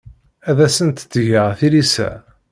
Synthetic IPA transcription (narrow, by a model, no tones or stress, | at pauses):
æðæsənt̪t͡sːʝəʁθilisæ̰